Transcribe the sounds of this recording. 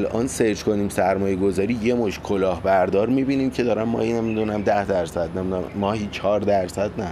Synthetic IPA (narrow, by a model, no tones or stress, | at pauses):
lʔɒ̰ːnseɾd͡ʒkʰo̞niːmsæɾmɒːjeɡo̞zɒːɾiːje̞moʃkʰo̞lɒːhbæɾd̪ɒːɾmiːbiːniːmcʰe̞d̪ɒːɾæmmɒ̰ːhinæmːid̪unæmd̪æhd̪æɾsæd̪̚nemid̪mɒːhiːt͡ʃʰɒːɾd̪æɾsæd̪næ